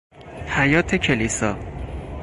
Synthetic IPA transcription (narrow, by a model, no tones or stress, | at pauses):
hæjɒːt̪ʰecʰe̞liːsɒː